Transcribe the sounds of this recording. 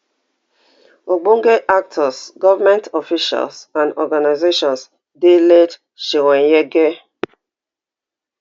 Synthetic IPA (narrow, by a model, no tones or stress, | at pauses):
oɡ͡boŋ̩ɡeʔak̚tʰɔsɡɔvamɛ̃ntɔfiʃa̰lsãndɔɡanaɪzeʃɔ̃ns | delet | ʃiɾɛnjeɡe